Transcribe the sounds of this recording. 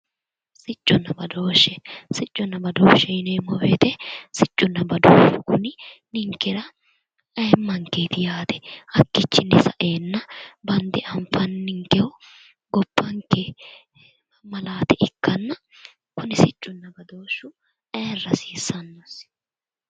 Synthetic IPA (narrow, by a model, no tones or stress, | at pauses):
sɪt͡ʃʼːʊnːɐbɐd̪oːʃːɛsɪt͡ʃʼːʊnːɐbɐd̪oːʃːɛɪnɛmɔwet̪ɛsɪt͡ʃʼːʊnːɐbɐd̪oːʃʊkʊnɪnɪŋkːɛɾɐ | ɐːmːɐŋkeːt̪ɪjaːt̪ɛ̥ɐkːɪt͡ʃːɪnɛsɐʔeːnːɐbɐnd̪ɛʔɐmfɐnːɪŋkːɛʊ | ɡɔpːɐŋkːɛ | mɐlaːt̪ɛʔɪkːɐnːɐ | kʊnɪsɪt͡ʃʼːʊnːɐbɐd̪oːʃʊ | ɐːrːɐsiːsːɐnːos